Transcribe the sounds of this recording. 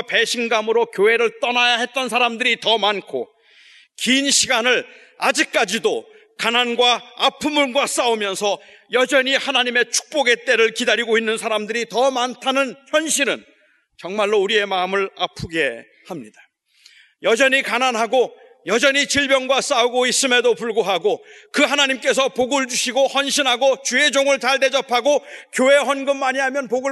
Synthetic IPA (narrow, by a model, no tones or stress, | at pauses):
pe̞ɕʰinɡamɯɾokjoɦe̞ɾɯɭt͈ʌnajaɦe̞t̚t͈ʌnsʰaɾamdɯɾitʌmankʰo̰ | kiːnɕʰiɡanɯɭ | ad͡ʑik̚k͈ad͡ʑido | kananɡwaːpʰɯmuɭnɡwas͈aumjʌnsʰʌ | jʌd͡ʑʌɲihanaɲime̞t͡ɕʰu̥k̚p͈oɡe̞t͈e̞ɾɯɭkidaɾiɡoinːɯnsʰaɾamdɯɾitʌmantʰanɯnçjʌnɕʰiɾɯn | t͡ɕʌŋmaɭːouɾie̞maɯmɯɭapʰuɡe̞ | hamɲid̥a | jʌd͡ʑʌɲikananɦaɡo | jʌd͡ʑʌɲit͡ɕiɭbjʌnɡwas͈auɡois͈ɯme̞dopuɭɡoɦaɡokɯɦanaɲimk͈e̞s̬ʰʌpoɡɯɭd͡ʑuɕʰiɡohʌnɕʰinɦaɡot͡ɕue̞d͡ʑoŋɯɭt͡ɕaɭde̞d͡ʑʌpʰaɡokjoɦe̞ɦʌnɡɯmːaɲiɦamjʌnpoɡɯ